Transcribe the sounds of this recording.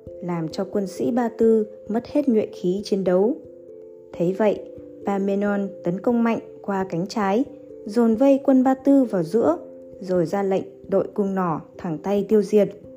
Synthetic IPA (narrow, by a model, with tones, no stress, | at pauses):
laː˨˩mt͡ɕɔ˧kwə˧nsḭ˧˥ɓaː˧t̪ɨ˧ | mə˦˥t̚he˦˥t̚ŋwḭ˧˨nxi˨˦t͡ɕi˧nɗə˨˦w | t̪ʰe˨˦jvə̰˧˨j | ɓaː˧me˧nɔ˧nt̪ə˨˦nkə˧wŋ͡mma̰˧˨jŋ̟kwaː˧ka˨˦jŋ̟t͡ɕaː˨˦j | zo˨˩nvə˧jkwə˧nɓaː˧t̪ɨ˧vaː˨˩wzɨ̰˧˥ə | zo˨˩jzaː˧lə̰˧˨jŋ̟ɗo̰˧˨jkʊ˧ŋ͡mnɔ˧˩t̪ʰa˨˩ŋt̪a˧jt̪i˧əwzi˨˩ət̚